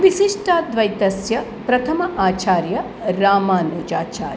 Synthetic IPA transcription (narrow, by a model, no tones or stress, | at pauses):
ʋisiʂʈʰaːd̪ʋɐjt̪ɐsjɐ | pɾɐt̪ʰɐmɐʔaːt͡ʃaːɾjɐ | ɾaːmaːnɐd͡ʒaːt͡ʃa̰ːɾ